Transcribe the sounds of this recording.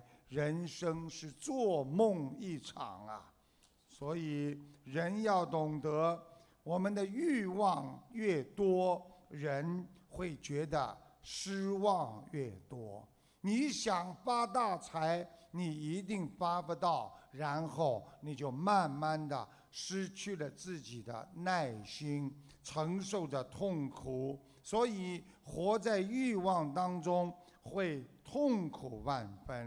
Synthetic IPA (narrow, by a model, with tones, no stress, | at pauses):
ɻə˧˥nʂɤ˥ŋʂɻ̩˥˧t͡swɔ˥˧mʊ˥˧ŋi˥˩ʈ͡ʂʰɑ̰˨˩ŋɐ̰˧ | swɔ˧˥i˨˩ɻə˧˥njɑ˥˩ʊt̪ʊ˨˩ŋt̪ɤ˧˥ | wɔ˨˩mə˧˦nd̪ə˧y˥˧wɑ˥˧ŋɥɛ˥˩t̪wɔ˥ɻə˧˥nxwe˥˩ɪt͡ɕɥɛ˧˥d̪ə̰˧ʂɻ̩˥wɑ˥˧ŋɥɛ˥˩t̪wɔ˥ | ni˧˥ɕjɑ˨˩ŋfa˥t̪̬a˥˩t͡sʰa˧˥ɪni˨˩i˧˥t̪̬i˥˩ŋfa˥bə˧t̪ɑ˥˩ʊɻa˧˥nxo˥˩ʊni˨˩t͡ɕjo˥˩˧ʊma˥˧nma˥˩nd̪ə̰˩ | ʂɻ̩˥t͡ɕʰy˥˩lə˩t͡sɹ̩˥˩t͡ɕi˨˩d̪ə̰˦na˥˩ɪɕi˥ŋ | ʈ͡ʂʰɤ˧˥ŋʂo˥˩ʊdə˩t̪ʰʊ˥˩ŋkʰu˨˩˦ | swɔ˧˥i˨˩ | xwɔ˧˥t͡sa˥˧ɪy˥˧wɑ˥˩ŋt̪ɑ˥ŋʈ͡ʂʊ˥ŋ | xwe˥˧ɪt̪ʰʊ˥˩ŋkʰu˨˩pa˥˧˩nfə˥n